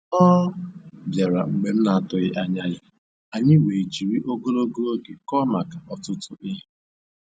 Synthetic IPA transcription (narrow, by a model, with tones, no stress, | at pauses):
ɔː˦ | bja˨ɾa̰˨ŋ͡m̩˨ɡ͡be˨m̩˦na˨tʊ˨ɣɪ˨ʔa˨ɲa˨jɪ˨ | a˨ɲɪ˦we˨d͡ʒi˨ɾi˦ʔo˦ɡo˦lo˦ɡo˦lo˦ɡe˨kɔ˦ma˨ka˨ʔɔ˨tʊ˦tʊ˦ʔɪ˦ɦ̩˦